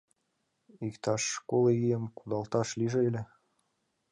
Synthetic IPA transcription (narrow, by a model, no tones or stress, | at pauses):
ikt̪ɑʃkoleijəmkud̪ɑlt̪ɑʃliʒĕelʲĕ